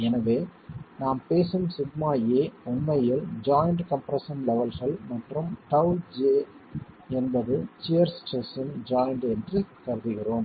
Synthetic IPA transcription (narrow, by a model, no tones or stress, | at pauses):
ɛnɐʋeːnaːmpeːsɯmsɪɣmaːjeːʊnːɐjɪld͡ʒaːjɳɖkɐmpɾɐsɐnlɛʋɐlɣɐɭmɐʈrɯmʈɐʊd͡ʒeː | ɛnbɐðɯt͡ʃijɐɾsʈɐsɐnd͡ʒaːjɳɖɛndrɯkɐɾɯðɯɣɪroːm